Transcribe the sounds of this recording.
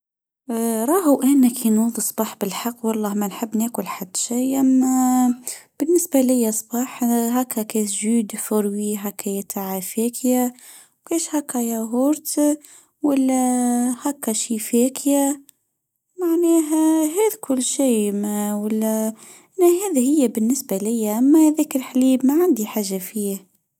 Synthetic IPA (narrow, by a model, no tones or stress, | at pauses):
ɾˤɑːɦʔæːnakʰinuðˤisˤb̥ɑːħbɪlħɑqːwɑlˤːɑːhmænħɪbːneːkʊlħad̪̥ːʃijʔamːæ | b̥ɪnːɪsbalɪjːasˤbɑːħɦakʰːækeːt̪ʒuːd̪fʊɾwiɦakːæjæt̪ʰaʕafeːkʰja | wkeːʃhækːæjæɦʊɾt̪ | wælːæhækːæʃiːfɛkʰjæ | maʕnɛːɦæɦɛːd̪kʰʊlːʃiːmæwalːæ | ʔnæɦæːðihɪjːæbɪnːɪsbalɪjːæʔæmːæhæðɛːklħaliːbmaʕand̪iħaːʒːafiː